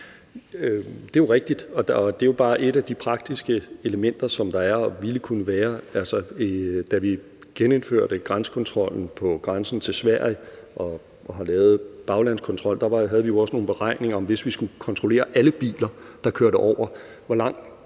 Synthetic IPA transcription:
d̥e̝joʁɛɡ̥̚d̥id̥ɒ̽ɒd̥e̝jo̝b̥ɑ̈ːʔe̝ɾæd̥ipʰʁɑ̈ɡ̥̚d̥isɡ̥əeləmen̰d̥ɐsɒ̽md̥ɑ̈æɐɒʋiləkʰunəʋæːɐælsɐd̥æʋi | ɡ̥enenføɐ̰ɾ̥əɡ̥ʁɑnsə̥kʰɒ̽nt͡sʰʁɒ̽l̰n̩pʰɒ̽ɡ̥ʁɑnsn̩t͡sʰe̝lsʋæɐ̰jʔɒ̽ | ɦɑ̈lɛːʊð̩ˠb̥ɑ̈ʊlæn̰skʰɒ̽nt͡sʰʁɒ̽l̰d̥ɑ̈ʋɑ̈ɦæð̞̩ˠʋijo̝ɒ̽səno̝ːnb̥e̝ʁɑ̈ɪ̰ne̝ŋɐɒ̽mʋe̝sʋisɡ̥ukʰɒ̽nt͡sʰʁo̝le̝̰ːɐʔæləb̥ḭːlɐd̥ɑ̈kʰøɐɾəʔɒʊ̰ɐ | ʋɒlɑ̈ŋ̰̥

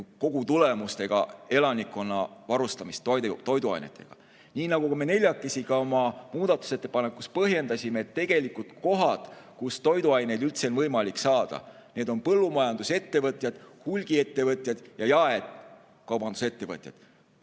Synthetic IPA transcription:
ko̞ɡ̥ut̪ule̞must̪e̞ɡ̥ɑ̰e̞lɑnikːˑo̞nːɑvɑɾust̪ɑmist̪ːojd̪t̪o̞jd̪uɑ̰jne̞̰t̪ːˑe̞̰ɡ̥ɑ̰ | niːnɑɡ̥ukumene̞lʲjɑkːˑe̞sʲiɡɑo̞mɑmuːd̪̥ɑt̪ːˑu̥se̞t̪ːˑe̥pɑnekːˑuspɤɦje̞nd̪ɑsʲimeːt̪ːe̞ɡ̥e̞likːult̪ko̞ɦɑt̪kust̪o̞jd̪uɑjne̞jd̪ylt̪senvɤjmɑliksɑːd̪̥ɑ̰ | ne̞ːd̪o̞npɤlːumɑjɑnd̪̥use̞t̪ːe̞vɤt̪ʲˑjɑd̪̥hulʲɡ̥ie̞t̪ːe̞vɤt̪ʲˑjɑd̪̥jɑjɑe̞d̪̥ | kɑwbɑnd̪use̞t̪ːe̞vɤt̪ʲˑjɑ̰d̪̥

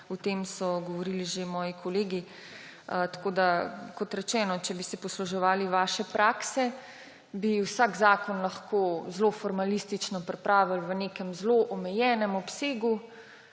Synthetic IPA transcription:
ɔt̪eːmsɔɡɔʋɔɾiliʒemɔːjikʰɔleːɡi | t̪ḁkoːd̪akɔt̪ɾɛt͡ʃɛːnɔt͡ʃɛbisɛpɔsluʒɛʋaːliʋaːʃɛpɾʔaːksɛ | biwsaːɡzaːkɔnlɐxkoːzlofɔɾmalist̪it͡ʃnɔpɾɛpɾaːʋilʋənekɛmzloʔɔmɛjɛːnɛmɔpseːɡu

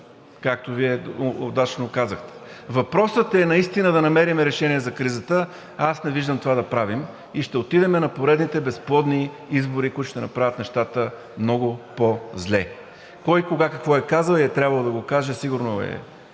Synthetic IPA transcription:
kak̚t̪oviɛod̪at͡ʃnokazəxt̪ɛ̥vɐpɾɔsət̪ɛnɐist̪inəd̪ɐnɐmɛɾimɛɾɛʃɛniɛzɐkɾizət̪ə | asnɛviʒd̪əmt̪ovad̪ɐpɾavim | iʃt̪ɛot̪id̪ɛmɛnɐpoɾɛd̪nit̪ɛbɛsplˠɔd̪ni | izboɾikujt̪ʊʃt̪ɛnɐpɾavʲət̪nɛʃt̪at̪ə | mnɔɡʊpozlɛ | kɔjkoɡakəkvɔɛkazəlˠiɛt̪ɾʲjabvəlˠod̪ɐɡokaʒɛsiɡʊɾnoɛ̰

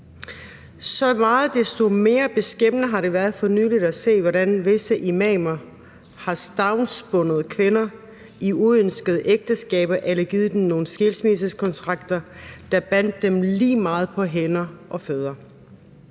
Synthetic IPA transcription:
sɒ̽mɑ̈ːð̩ˠd̥esd̥o̝me̝ːɐb̥e̝sɡ̥em̰nəɦɑ̈ɾe̝ʋæɐð̞̩ˠfɒ̽nyːlid̥æse̝̰ːʋɒɾænʋe̝səʔimɛmɐ | hɑ̈sd̥ɑ̈ʊnsb̥ɔ̽nəð̞ˠkʰʋe̝nɐ | iuønsɡ̥əð̞ˠʔeɡ̥̚d̥əsɡ̥ɛ̰ːb̥ɐʔelɐɡ̥iːð̞ˠd̥emno̝ːn̩sɡ̥elsmisəskʰɒ̽nt͡sʰʁɑ̈ɡ̥̚d̥ɐd̥ɑ̈b̥æn̰d̥ːemliːmɑ̈ːð̞̩ˠpʰɒ̽ɦenɐʔɒ̽føð̞ˠɐ

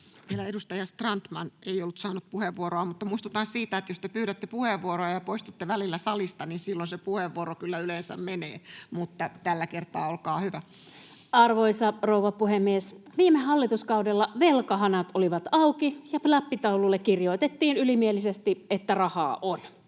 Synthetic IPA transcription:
ʋielæedust̪ɑjɑst̪rɑnt̪mɑneijolːut̪sɑːnut̪̚puheʋːuoɾoɑmut̪ːɑmuist̪ut̪ɑːnsiːt̪æet̪jost̪epyːɾæt̪ːepuheʋːuoɾoɑjɑpoist̪ut̪ːeʋælilːæsɑlist̪ɑninsilːonsepuheʋːuoɾokylːæylensæ̰mmeneːmut̪ːɑt̪ælːækert̪ɑːolkɑːhyʋæ | ɑrʋoisɑrouʋɑpuhemːiesʋiːmeɦɑlːit̪uskɑudelːɑʋelkɑɦɑnɑt̪oliʋɑt̪ɑukijɑflɑpːit̪ɑululːekkirjo̞it̪et̪ːiːnylimielisest̪iet̪ːærɑhɑ̰ːʔon

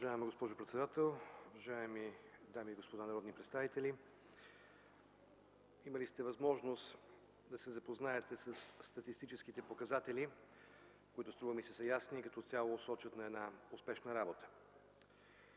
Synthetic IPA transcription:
vɐʒaɛmɡospɔʒʊpɾɛt̪sɛd̪at̪ɛlˠuvɐʒaɛmid̪amiːɡospod̪anɐɾɔd̪nipɾɛt̪st̪avit̪ɛlʲi | imɐlist̪ɛvɐzmɔʒnost̪ | d̪ɐsɛzɐpoznaɛt̪ɛsɐsːt̪ɐt̪ist̪it͡ʃɛskit̪ɛpokɐzat̪ɛli | koit̪ʊst̪ɾuvəmisɛ̥səjasniːkɐt̪ɔjalˠosɔt͡ʃət̪nɐɛd̪naʊspɛʃnəɾabot̪ə̥

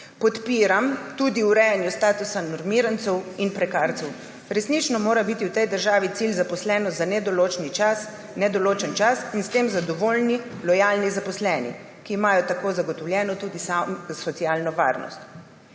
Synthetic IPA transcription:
pɔt̪piːɾamt̪uːd̪iuɾɛjanjust̪aːt̪usanɔɾmiːɾant̪sɛwinpɾɛkaɾt̪sɛw | ɾɛsnit͡ʃnɔmoːɾabit̪iwt̪ɛjd̪əɾʒaːʋit̪silzapɔslɛːnɔzanɛd̪ɔlot͡ʃnit͡ʃas | nɛd̪ɔloːt͡ʃənt͡ʃasinst̪eːmzad̪ɔʋolnilɔjaːlnizapɔslɛːnḭ | kiːmaːjɔt̪akoːzaɡɔt̪ɔwljɛːnɔt̪uːd̪isasɔt̪siaːlnɔʋa̰ːɾnɔ̰st̪

